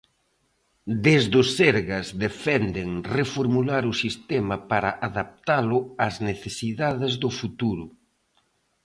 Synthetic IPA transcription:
d̪ezðʊsɛɾɣɐzðefɛnd̪eŋrefoɾmulaɾʊsist̪ɛmɐpaɾaʔaðap̚t̪alʊazneθesiðaðezðʊfut̪uɾʊ

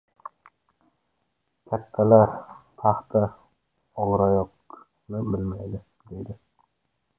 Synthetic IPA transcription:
kʲʰat̪ʰːalaɾt̪ʰɑχt̪ʰa | ɒʁɾajɒq | nɪbɪlmajd̪ɪ | d̪e̞d̪ɪ

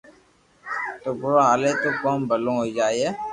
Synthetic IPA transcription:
t̪oːbʊɾaɦaːlet̪oːkoːmbəlõːɦoid͡ʒaːieː

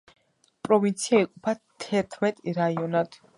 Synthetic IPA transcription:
pʼɾɔvint̪sʰiaiqʼupʰat̪ʰɛɾt̪ʰmɛt̪ʼɾaiɔnad̪̥

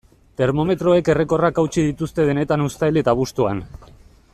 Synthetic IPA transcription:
t̪e̞ɾmo̞me̞t̪ɾo̞e̞ke̞re̞ko̞rakawt͡ʃið̞it̪ust̪e̞ð̞e̞ne̞t̪anust̪ajlet̪aβust̪ua̰n

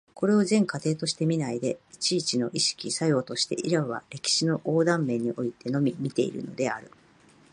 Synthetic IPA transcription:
ko̞ɾe̞o̞zẽ̞ŋkat̪e̞ːt̪o̞ɕi̥t̪e̞mʲinaid̪e̞it͡ɕiːt͡ɕino̞ʔiɕi̥kʲisajo̞ːt̪o̞ɕi̥t̪e̞̰ʔiɾaɯβa̰ɾe̞kʲi̥ɕino̞ʔo̞ːd̪ãmːe̞ɲ̟iʔo̞it̪e̞no̞mʲimʲit̪e̞̰ḭɾɯ̟̰no̞d̪e̞aɾɯ̟

